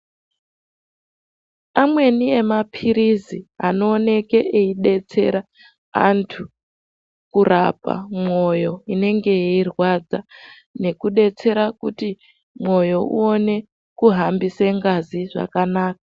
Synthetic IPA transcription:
amwe̞nie̞mapʰiɾiziano̞ːne̞ke̞ʔeiɗe̞t͡se̞ɾa | a̰ntʰu | kurapa̰mo̞jo̞ine̞ŋɡe̞jeirwad͡za | ne̞kuɗe̞t͡se̞ɾakuti | mwo̞jo̞uone̞ | kuɦambiseŋɡaziʐa̰kanaːkḁ

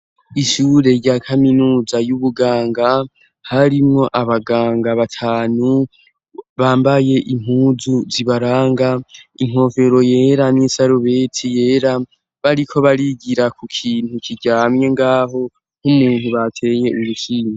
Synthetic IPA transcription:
iʃuːɾe̞ɾɟaːkʰaminuːzajuβuɡaːŋɡa | haɾimŋo̞ʔaβaɡaːŋɡaβatʰaːnu | βaːmbaje̞ʔim̥huːzuziβaɾaːŋɡaiŋ̥o̞ːve̞ɾo̞je̞ɾanisaɾuβe̞tʰije̞ːɾa | βaɾikʰo̞βaɾiɡiɾakʰukʰiːnhukʰiɟaːmɲe̞ŋɡaːɦo̞ | n̥humuːn̥huβatʰe̞je̞uluʃiːɲe

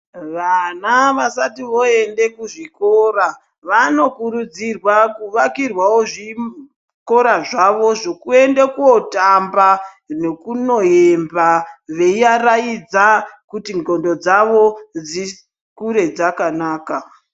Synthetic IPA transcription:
ʋanaʋasatiʋo̞e̞nde̞kuʐikora | ʋano̞kuɾud͡zirwakuʋakirwawoʐi | ko̞ɾaʐaʋo̞ʐokue̞ndekuotamba | ne̞kuno̞embaʋe̞iaraid͡zakutiŋɡo̞ndo̞d͡zaʋo̞d͡zi | kuɾe̞d͡zakanaːka

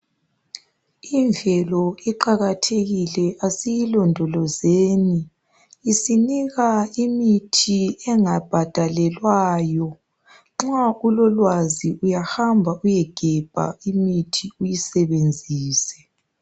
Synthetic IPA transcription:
iɱvʱɛlɔiǃaɣatʰeɣilɛʔasijilɔndʱɔlɔzeːniː | siniɣaimitʰiɛŋab̥ʱad̥ʱalɛlwaːjɔ | ŋ͡ǁaulɔlwaziujahambʱaʔujɛɡ̥ʱɛb̥ʱa̰imitʰiujisɛβend͡zʱiːsɛ̥

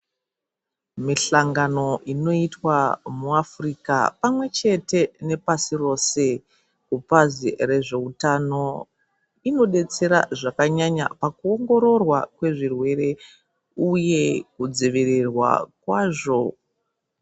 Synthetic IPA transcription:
miɬaŋɡano̞ʔino̞itwamuafrika̰pamwe̞t͡ʃe̞te̞ne̞pasiro̞se̞ | kupazire̞ʐe̞utano̞ | ino̞ɗe̞t͡se̞ɾa̰ʐakaɲaɲa̰pakuoŋɡo̞ɾo̞rwa̰kwe̞ʐirwe̞ɾe̞ | uje̞kud͡ziʋirirwa̰kwaːʐo̞

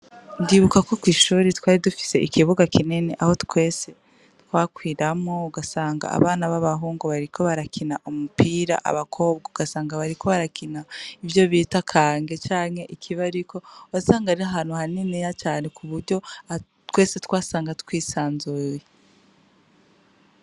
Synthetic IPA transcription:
ndiːβukakokwiːʃuːɾitkwaːɾidufi̥se̞ʔikiβuɡakʰineneʔaho̞tkwe̞ːse̞ | tkwaːkwiːɾamo̞uɡasaːŋɡa̰a̰βaːnaβaβaɦuːŋɡuβaɾikʰo̞βaɾakʰinaʔumupiːɾa̰ʔa̰βakʰo̞ːbɡauɡasaːŋɡaβaɾikʰo̞βaɾakinaivjo̞βiːtakʰaːŋɡe̞t͡ʃaːnhe̞ʔikʰiβaɾikʰo̞asaːŋɡaɾiaɦaːnhuhaninijat͡ʃaːne̞kʰuβuɾɟo̞a | twe̞ːse̞tkwaːsaːŋɡatu̥kwiːsaːnzuje

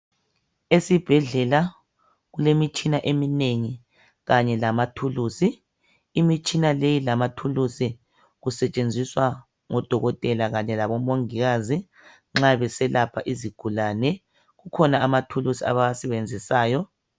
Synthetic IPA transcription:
esib̥ʱɛɮɛla | ɣulemit͡ʃʼinaʔemineŋi | ɣaɲɛlamatʰuluːsiː | mit͡ʃʼinalejilamatʰulusi | ɣusɛt͡ʃʼend͡zʱiswa | ŋɔd̥ʱɔɣɔtʼɛlaɣaɲɛlaβɔmoŋiɣazi | ŋ͡ǁaβɛsɛlapʰaʔiziɡ̥ʱulanɛ | ɣukʰɔnaamatʰulusia̰βaasɛβend͡zʱisaːjɔ

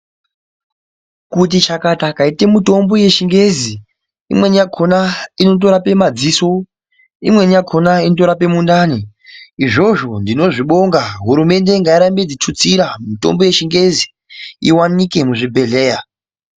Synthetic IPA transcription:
kut̬it͡ʃakatakaite̞muto̞mbo̞je̞ʃiŋɡe̞zi | ḭmwe̞nijakʰo̞naino̞t̬o̞ɾape̞mad͡ziso̞ | imwe̞nijakʰo̞nainoto̞ɾape̞mundani | iʐo̞ʐo̞ndino̞ʐiɓo̞ŋɡaɦuɾume̞nde̞ŋɡaiɾambed͡zit͡ʃut͡siɾamuto̞̰mbo̞je̞ʃiŋɡe̞zi | iwanike̞muʐibʱe̞ɮeːja

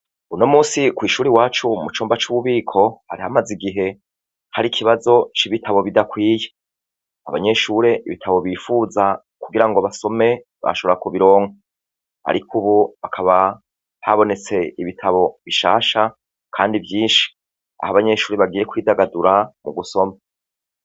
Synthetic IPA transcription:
uno̞muːsikwiːʃuːɾiwaːt͡ʃumut͡ʃuːmbat͡ʃuβuβiːkʰo̞ha̰ɾihamaziɡiɦe̞ | haɾikʰiβazo̞t͡ʃiβitʰaβo̞βidakwiːje̥ | aβa̰ɲe̞ʃuːɾe̞ʔiβitʰaβo̞βiːfuːza | kuɡiɾaŋɡo̞βaso̞me̞ | βa̰ʃo̞βɾakuβiɾo̞ːŋa | a̰ɾikʰuβuβakʰaβa | haβo̞ne̞t͡se̞iβitʰaβo̞βiʃa̰ːʃa | kʰaːndivjiːnʃi̥ | a̰haβaɲe̞ʃuːɾeβaɡiːje̞kwiːdaɡaduɾamuɡuso̞ma

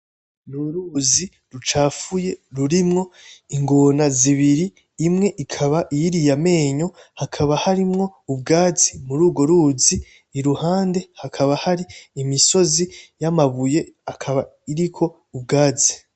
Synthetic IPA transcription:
nuɾuːzi | ɾut͡ʃaːfuje̞ɾuɾimŋo̞iŋɡo̞naziβiɾiː | mŋe̞ʔikʰaβaʔiiɾijame̞ːɲo̞hakʰaβahaɾimŋo̞ub̚ɡaːzimuɾuːɡo̞ɾuːziː | ɾuhaːnde̞hakʰaβahaɾiːmiso̞zijamaβuje̞akʰaβa | iɾikʰo̞ | ub̚ɡaːzi̥

